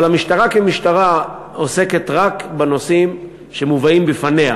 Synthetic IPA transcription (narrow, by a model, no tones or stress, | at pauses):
lamiʃtaʁakemiʃtaʁa | ose̞ketʁakbeno̞sim | ʃemuvaimbifanea